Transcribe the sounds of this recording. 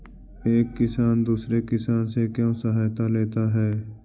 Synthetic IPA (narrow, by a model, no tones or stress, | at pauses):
eːkːɪsaːnd̪uːsɾekɪsaːnsekjõːsəɦaːjt̪aleːt̪aɦɛː